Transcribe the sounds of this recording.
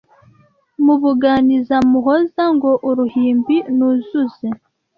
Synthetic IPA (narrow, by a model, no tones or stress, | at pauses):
muβuɡaːnizamuɦozaŋɡoʔoɾuhiːmbinuzuze